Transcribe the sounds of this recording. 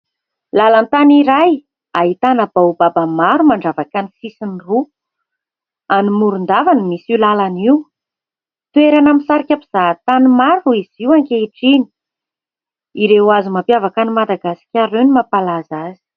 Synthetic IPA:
lalant̪aniɾaj | aɦit̪anabaubabamaɾumaɳɖ͡ʐavakanisisiniru | animuɾund̪avanimisilalaniw | t̪ueɾanaminsaɾikʲapi̥z̥at̪animaɾuuiz̥iwaŋkeiʈ͡ʂini̥ | iɾewazimampjavakanimad̪aɡasi̥kʲaɾenimapalazazi̥

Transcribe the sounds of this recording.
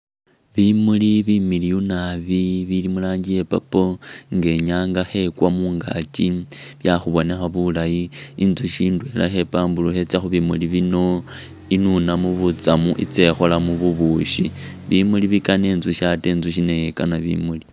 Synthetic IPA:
βimuliβimilijunaβiβilimulaːɲɟijepapoŋɡe̞ɲaːŋɡaxe̞kwamuːŋɡa̰t͡ʃiβjaxuβo̞ne̞xaβulajiinzuʃiːndwe̞la̰xe̞paːmbuluxe̞t͡saxuβimuliβino̞ | inunamuβut͡samuʔḭt͡se̞xo̞lamuβuβuʃi | βimuliβikane̞ːnzuʃateːnzuʃ̬inejekanaβḭmuli

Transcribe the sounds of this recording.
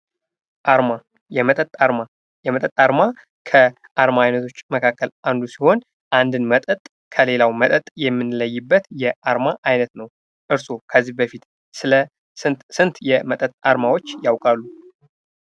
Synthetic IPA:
ʔaɾma | jɛmət̪ʼət̪ʼaɾma | jɛmət̪ʼət̪ʼaɾma | kʰə | ʔaɾmaajnət̪ʰo̞t͡ʃːməkʰakːəland̪usiho̞n | ʔand̪ɨnmət̪ʼət̪ʼ | kʰəle̞lawmət̪ʼət̪ʼjɛmːɨnləjːɪbːət̪jɛʔaɾmaʔajnət̪nəw | ʔɨɾso̞kʰəzːihbəfit̪ | sɨlə | sɨnt̪sɨnt̪jɛmət̪ʼət̪ʼaɾmawo̞t͡ʃːjawkʼalːu

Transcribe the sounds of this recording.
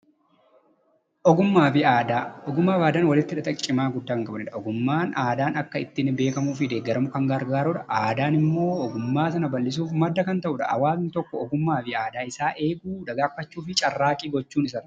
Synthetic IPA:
ʔɔɡʊmːaːfɪaːd̪aːɔɡʊmːaːfaːd̪aːnwɐlɪt̪ːɪᶑɐt̪ʼɐkʼːɪmaːɡʊd̪ːaːŋkʼɐbɐnᶑɐɔɡʊmːaːnaːd̪aːnɐkːɐɪt̪ːɪnbe̞ːkɐmuːfɪd̪eːɡːɛɾɐmʊkɐŋɡɐɾɡaːɾʊᶑɐʔaːd̪aːnɪmːo̞ːɔɡʊmːaːsɐnɐbɐlːɪs̬uːfmɐd̪ːɐkɐnt̪ɐʔʊᶑɐʔɐ̰waːznɪt̪ɔkːɔɔɡʊmːaːfɪaːd̪aːɪsaːʔe̞ːɡuːᶑɐɡaːfːɐt͡ʃːuːfɪt͡ʃʼɐrːaːkʼiːɡɔt͡ʃːuːnɪs̬ɐn

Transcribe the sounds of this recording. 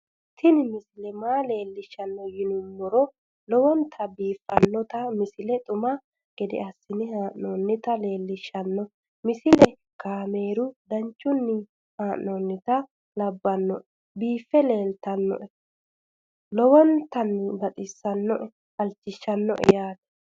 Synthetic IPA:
t̪ʰɪnmɪsɪlɛmaːle̞ːlːɪʃːɐnːɔjɪnʊmːɔɾɔ | lɔwɔnt̪ʰɐbiːfːɐnːɔt̪ɐmɪsɪlɛt̪ʼʊmɐ | ɡ̥ɛd̪ɛ̰ɐsːɪnɪhaːʔnoːnːɪt̪ɐle̞ːlːɪʃːɐnːɔ | mɪsɪlɛ | kaːme̞ːɾʊd̪ɐɲt͡ʃʼːʊnːɪ | haːʔnonːɪt̪ɐ | lɐbːɐnːɔ | biːfːɛle̞ːlt̪ɐnːɔ̰ʔɛ | lɔwɔnt̪ɐnːbɐt̪ʼɪsːɐnːɔʔ | ɐlt͡ʃːɪʃːɐnːɔ̰ʔɛ̰jaːt̪ɐ̥

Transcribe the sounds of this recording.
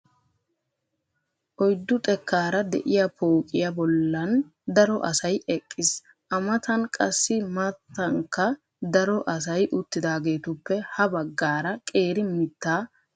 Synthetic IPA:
ʔɔjd̪ːʊt̪ʼɛkːaːɾɐd̪ɛ̰ʔɪjɐpoːkʼɪjɐbɔlːɐn | d̪ɐɾɔʔɐsɐjʔɛkʼːɪs | ʔɐmɐt̪ɐnkʼɐsːɪmɐt̪ːɐŋkːɐ | d̪ɐɾɔʔɐs̬ɐjʔʊt̪ːɪd̪aːɡe̞ːt̪ʊpːɛhɐbɐɡːaːɾɐkʼe̞ːɾɪmɪt̪ːaː

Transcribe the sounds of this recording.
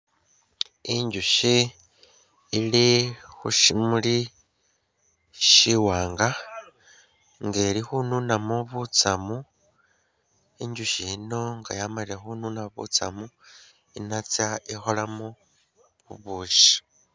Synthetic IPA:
iɲɟuʃi | lixṵʃimuli | ʃiwaːŋɡa | ŋɡelixununamuβut͡samu | iɲɟuʃino̞ŋɡa̰jamaliɾexununaβṵt͡sa̰mu | inat͡saixolamu | βuβuːʃi̥

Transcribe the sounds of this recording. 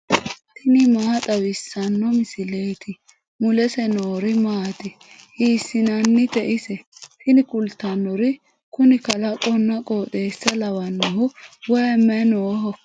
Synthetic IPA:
t̪ʰɪnɪmaːt̪ʼɐwɪsːɐnːɔmɪsɪleːt̪ɪ | mʊlɛsɛnoːɾɪmaːt̪ɪ | hiːsːɪnɐnːɪt̪ɛʔɪsɛt̪ɪnɪkʼʊlt̪ːɐnːɔɾɪ | kʊnɪkɐlɐkʼɔnːɐkʼoːt̪ʼeːsːɐlɐwɐnːɔhʊwɔjɛmɛnoːɦɔ

